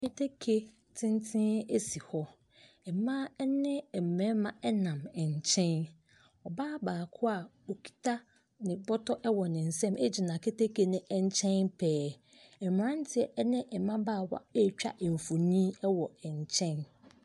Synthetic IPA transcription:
ke˦tʰe˦kʰe˦ | tʰɪ̃˦ntʰɪ̃˦ne˦si˨hɔ˦ | ɛ˨mã˦ɛ˦nɪ̃˦ɛ˨m˨mɛ̃˦mã˨ɛ˦nã˨mɛ˨ɲ˨t͡ɕʰɛ̃˦n | ɔ˨baː˦baː˨kʰʊ˦a˨ | o˨kʰi̥˨tʰa˦ | nɪ̃˨bɔ˦tʰɔ˦ʔɛ˦wɔ˨nɪ̃˨n̩˨sɛ̃˦mʔɛ˦d͡ʑi˨nã˨kʰe˦te˦ke˨nɪ̃˨ʔɛ˦ɲ˦t͡ɕʰɛ̃˦npʰɛː˦ | ɛ˨m˨ã˦n˦tʰɪ˦ɛ˨ʔɛ˦nɪ̃˦ʔɛ˨mã˦baː˦˨wa̰˦ɛ˦˨t͡ɕᶣa̰˦ʔɛ˨m˨fo˨nĩ˦ɛ˦wɔ˨ɛ˨ɲ˨t͡ɕʰɛ̃˦n

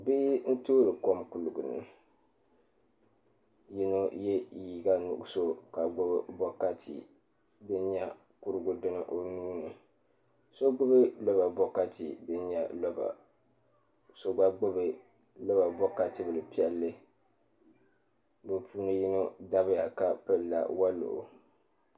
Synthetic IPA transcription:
bi˦n̩˦toː˦ɾɨ˨ko˦mkʊ˨lʊ˨ɡʊ˨nɨ̰˨ | ji˦nu˦jɛ˦jiː˨ɡa˦nṵ˨˦so˦ka˨ɡ͡bʊ˦bbɔ˦ka˦tʰḭ˨ | dɨ˦nɲa˦ | ku˦ɾɨ˦ɡʊ˦dɨ˦nɨ˦ʔo˨nuː˦nɨ˨ | so˦ɡ͡bʊ˦bɨ˦lɔ˦ba˨bɔ˦ka˦ti˨dɨ˦nɲɛ˦lɔ˦ba̰˨ | so˨ɡ͡ba˦ɡ͡bʊ˦bɨ˨ | lɔ˦ba˨bɔ˦ka˨tɨ˦bɨ˨lɨ˨pi˦ɛ˦lːɨ˦ | bɨ˨pʰuː˦nɨ˦ji˦nu˦da˦bɨ˦ja˨ka˨pɨ˦la̰˨wa˦lo̰˨ʔʊ˨

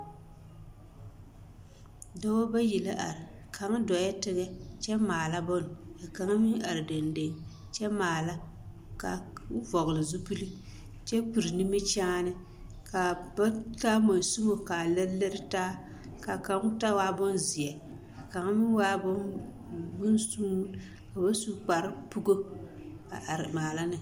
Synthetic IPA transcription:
dɔ˦wo˦ba˦ji˨la˦ʔa̰˨ɾɪ˨ | kʰa˨ŋ˦dɔ˨jɛ˦tɪ˦ɡɛ˦t͡ʃɛ˦maː˨la˦bɔ˦n˨a˨ka˨ŋa˦mi˦a˨ɾɪ˨de˨nde˨ŋ | t͡ʃɛ˦maː˨la˦ | ka˨˦vɔ˨ɣɨ˨lɨ˨zu˦pu˦li˦ | t͡ʃɛ˦pu˨ɾi˨ni˦mi˦t͡ʃaː˦nɨ˦ | ka˨ba˦taː˦mo˨n˨su˦mo˨ka˨lɛ˦le˦ɾɪ˦taː˦ | ka˨ka˨ŋ˦ta˦waː˦bɔ˦nzi˨ɛ˨ | a˨ka˨ŋa˦mɪ˦waː˦bɔ˦n | bʊ˦n˦suː˦ | ka˨ba˦su˦k͡pa˨ɾɪ˦pu˦ɡo˦ | a˨ɾmaː˨la˦nɨ˨

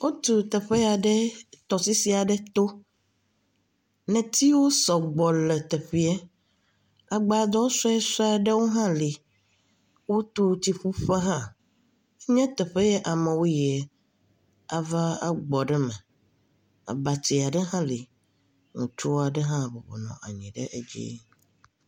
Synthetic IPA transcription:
wo˦t̪u˨t̪ɛ˨ɸe˦a˨ɖɛ˦t̪ɔ˨si˦si˦a˨ɖɛ˦t̪o˦ | nɛ̃˨t̪i˦wo˦sɔ˨ɡ͡bɔ˨lɛ˨t̪ɛ˨ɸi˦ɛ˦ | a˨ɡ͡ba˨d̪ɔ˦sɔ˦ɛ˦sɔ˦a˨ɖɛ˦wo˦ɦã˦li˨ | wo˦t̪u˦˨t̪i˨ɸu˦ɸɛ˦ɦã˦ | e˦ɲɛ̃˦t̪ɛ˨ɸe˦jɛ˦ʔa˨mɛ̃˨wo˦jɛ˨ | a˨va˦a˦ɡ͡bɔ˨ɖɛ˦mɛ̃˨ | a̰˨ba˨t̪i˨a˨ɖɛ˦ɦã˦li˨ | ŋũ˨t͡ʃo˦a˨ɖɛ˦ɦã˦˨bo˨bɔ̰˨nɔ̰̃˨ʔa̰˨ɲĩ˨ɖɛ̰˦ʔe˦d͡ʒḭ˦

